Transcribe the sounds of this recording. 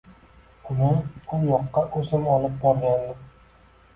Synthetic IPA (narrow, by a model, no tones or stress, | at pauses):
ʊnɪŋʊnjɒqːɑʔɵsɪmɒlɪp̚bɒɾɡʲand̪ɪ